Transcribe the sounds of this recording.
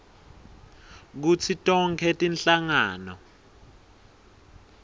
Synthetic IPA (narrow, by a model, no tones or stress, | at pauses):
k̬ut͡sʰitʼɔŋkʰɛtʼinɬaŋaːnɔ